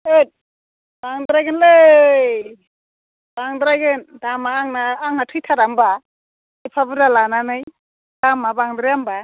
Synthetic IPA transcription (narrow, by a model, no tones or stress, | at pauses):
et̚ | b̥aŋdɾajɡɯnle | b̥aŋdɾaɡɯndamaːŋnaːŋhatʰɯjtʰaɾamba | ipʰabɯɾalananɯj | d̥amabaŋdɾajamba